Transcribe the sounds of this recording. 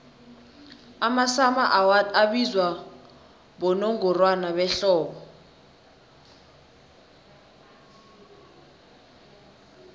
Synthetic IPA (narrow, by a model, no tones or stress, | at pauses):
amasamaʔaɓizwa | ɓɔnɔŋɡɔrwanaβɛɬɔːɓɔ